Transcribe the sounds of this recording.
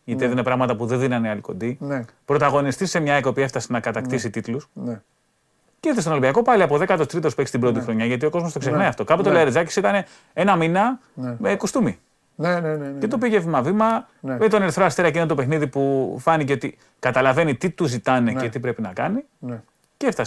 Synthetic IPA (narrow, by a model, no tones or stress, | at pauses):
ʝɐt̪iðeninepɾɐɣmɐt̪ɐpuðenðinɐneɐliko̞̰nd̪i | pɾo̞t̪ɐɣo̞nist̪isːe̞mɲɐekopie̞ft̪ɐsenɐkɐt̪ɐkt̪isit̪it̪lusn | cet̪est̪onolibiɐko̞pɐliɐpo̞ðe̞kɐt̪ost̪ɾit̪ospeksi̥t̪ibɾo̞t̪ixɾo̞ɲɐʝɐt̪io̞ko̞zmost̪oksexnɐiɐft̪o̞kɐpot̪olɐeɾezɐci̥sit̪ɐne̞ | e̞nɐminɐmekust̪umi | ncet̪opiʝevimɐvimɐ | met̪oneɾθɾoɐst̪eɾɐcinot̪ope̞xniðipufɐniceot̪i | kɐt̪ɐlɐve̞nit̪it̪uzit̪ɐnecet̪ipɾe̞pinɐkɐni | ceeft̪ɐs